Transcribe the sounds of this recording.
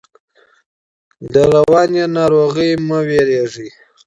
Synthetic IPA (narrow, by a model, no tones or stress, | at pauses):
d̪əɾawɑnenɑɾoɣəjməweɾeʐi